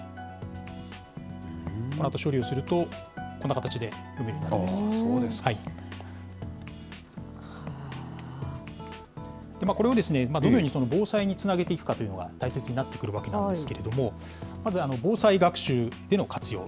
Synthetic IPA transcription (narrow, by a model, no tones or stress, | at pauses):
konat̪o̞ɕo̞ːɾʲio̞sɨɾɯ̟t̪o̞ | ko̞nːakat̪at͡ɕid̪e̞ | ɯmeoɲinaɾimasohai | a | d̪̥e̞maːko̞ɾe̞od̪e̞sɨne̞maːd̪onojoːɲisono̞bo̞ːsaiɲ̟it͡sɨnaɡe̞t̪e̞ikɯ̟kat̪o̞jɯ̟no̞ɡa̰t̪aise̞t͡sɨɲ̟inat̪ːe̞kɯ̟ɾɯ̟βake̞nãd̪eɨ̥ke̞ɾe̞d̪o̞mo̞ | mazɨano̞bo̞ːsaiɡakɯ̟̥ɕɨːd̪e̞no̞kʰat͡sɨjo̞̰ː